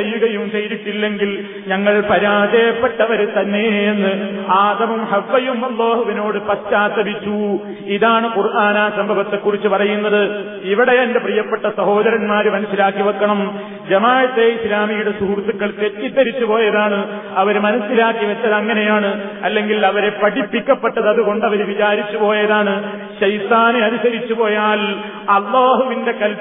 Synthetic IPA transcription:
ejːuɣɐjumsejɾiʈːilːe̞ŋɡil | ɲɐŋːɐɭpɐɾaːd̪eːpːeʈːɐʋɐɾt̪ɐnːe̞ːnːɨaːd̪ɐmumhɐʋːɐjumɐlːoːhuʋino̞ːɽɨpɐst͡ɕːaːt̪ːɐmit͡ɕːu | iðaːɳɨkurʔaːnaːsɐmbʱɐbɐt̪ːe̞kːurit͡ɕːupɐrɐjunːɐðɨ | iʋiɽe̞endeprijɐpːeʈːɐsɐho̞ːd̪ɐɾɐnmaːɾɨmɐnɐsːilaːkːiʋɐkːɐɳɐm | d͡ʑɐmaːjɐt̪ːeislaːmijuɽe̞suɦurt̪ːukːɐɭt̪etːid̪ːɐɾit͡ɕːupo̞ːjɐðaːɳɨ | ɐʋɐɾmɐnɐsːilaːkːiʋɐt͡ɕːɐðɐŋːɐne̞jaːɳɨ | ɐlːe̞ŋɡilɐʋɐɾe̞pɐɽipːikʲːɐpːeʈːɐðɐðuɣo̞ɳɖɐʋɐɾʋit͡ɕaːɾit͡ɕːupo̞ːjɐðaːɳɨ | ɕɐjt̪aːneɐnusɐɾit͡ɕːupo̞ːjaːl | ɐlːaːɦuʋinde̞kɐl

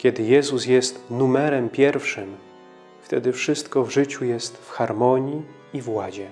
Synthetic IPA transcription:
kʲɛd̪ɘjɛzusjɛst̪numɛɾɛmpʲjɛɾfʂɘm | ft̪ɛ̰d̪ɘfʂɘst̪kɔvʐɘt͡ɕujɛst̪fxaɾmɔɲi | ivwad͡ʑɛ

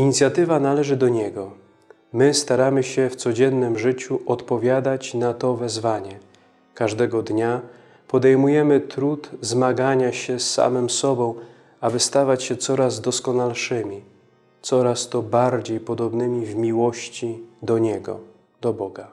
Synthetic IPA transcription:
iɲit̪sʲjat̪ɘvanalɛʐɘd̪ɔɲɛɡɔ | mɘst̪aɾamɘɕɛft̪sɔd͡ʑɛnːɘmʐɘt͡ɕuʔɔt̪pɔvʲjad̪at͡ɕnat̪ɔvɛzvaɲɛ | kaʐd̪ɛɡɔd̪ɲa | pɔd̪ɛjmujɛmɘt̪ɾut̪zmaɡaɲaɕɛsːa̰mɘmsɔbɔ̃w̃ | abɘst̪avat͡ɕɕɛt̪sɔɾazd̪ɔskɔnalʂɘmʲi | t̪sɔɾast̪ɔbaɾd͡ʑejpɔd̪ɔbnɘmʲivmʲiwɔɕt͡ɕid̪ɔɲɛɡɔ̰ | d̪̥ɔbɔɡa

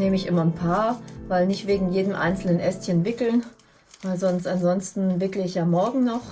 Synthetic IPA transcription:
neːməɪçʔɪmɐnpʰaːɐvaɪlnɪçtv̥eːɡŋ̩jeːdəmʔa̰ɪnt͡sl̩nənʔɛstçənvɪkl̩n | v̥aɪlzɔnstanzɔnstn̩vɪkləɪçjaːmɔɐɡŋ̩nɔχ

